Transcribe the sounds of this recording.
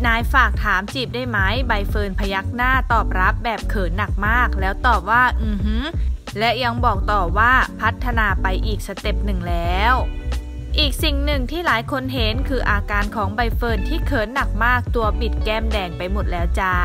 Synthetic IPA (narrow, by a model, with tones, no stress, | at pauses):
naː˧jfaː˨˩k̚t̪ʰaː˩˦mt͡ɕiː˨˩p̚daː˥˩jma˦˥jba˧jfɤː˧npʰa˧ja˦˥k̚naː˥˩t̪ɔː˨˩p̚ɾa˦˥p̚bɛː˨˩p̚kʰɤː˩˦nːa˨˩k̚maː˥˩k̚lɛː˦˥wt̪ɔː˨˩p̚waː˥˩ʔɯː˧˩hɯ˥ | lɛ˦˥ja˧ŋbɔː˨˩k̚t̪ɔː˨˩waː˥˩pʰa˦˥t̪ʰːa˧naː˧pa˧jʔiː˨˩k̚sa˧t̪e˨˩p̚nɯ˨˩ŋlɛː˦˥˦w | ʔiː˨˩k̚si˨˩ŋnɯ˨˩ŋt̪ʰiː˥˩laː˨˩˦jkʰo˧nɦe˩˦nkʰɯː˧ʔaː˧kaː˧nkʰɔː˩˦ŋba˧jfɤː˧nt̪ʰiː˥˩kʰɤː˩˦nːa˨˩k̚maː˥˩k̚t̪u˧ɐpi˨˩t̪̚kɛː˥˩mdɛː˧ŋpa˧jmo˨˩t̪̚lɛː˦˥wt͡ɕaː˧˩